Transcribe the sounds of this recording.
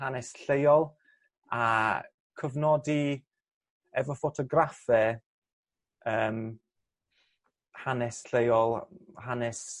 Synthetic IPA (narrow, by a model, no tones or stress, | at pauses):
hanɛsɬejɔlˠ | a | kʰəvnɔdi | ɛvɔfɔtʰɔɡrafɛ | əːm | hanɛsɬejɔlˠhanɛs